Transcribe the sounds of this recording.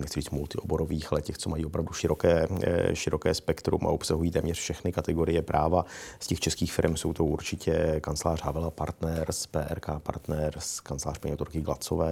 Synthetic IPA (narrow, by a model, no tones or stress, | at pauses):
nɛxtt͡sɪɾiːt͡st̪mult̪ɪʔo̞boɾoviːxalɛcɛxt͡somajiːo̞pɾavduʃɪɾo̞kɛːʃɪɾo̞kɛːspɛkt̪ɾṵmʔa̰ʔopsaɦujiːt̪ɛːmɲɛr̥fʃɛxnɪkat̪ɛɡo̞ɾɪjɛpɾʔaːvascɛxt͡ʃɛskiːxfɪɾɛmso̞wt̪oʔuɾt͡ʃɪcʰɛkant͡slaːr̝ɦavɛlapa̰ɾt̪nɛɾspɛːʔɛɾkaːpa̰ɾt̪nɛɾskant͡slaːr̥paɲɛot̪oɾkɪɡla̰t͡sovɛː